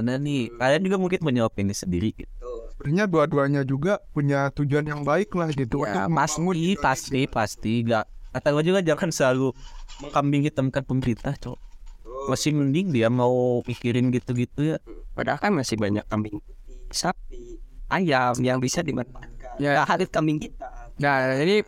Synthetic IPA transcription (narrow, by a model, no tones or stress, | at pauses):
ananikaliand͡ʒuɡamuŋkɪnpuɲaopɛnisəndiɾiɡit̪̚uɾiɲaduaduaɲad͡ʒuɡapuɲat̪ud͡ʒuanjaŋbaɪklahit̪ukaasuipast̪ipast̪iŋɡaʔat̪aɡad͡ʒuɡad͡ʒaŋansəlalukambɪŋit̪əmkanpəməɾint̪aht͡ʃo | masɪməndɪŋdiamaupikiɾɪnɡit̪uɡit̪ujapa̰da̰kanmasɪhbaɲa̰kːambɪŋsap̚ʔajamjaŋbisadimanajaaɦalɪt̪̚kambiŋkit̪anad͡ʒadi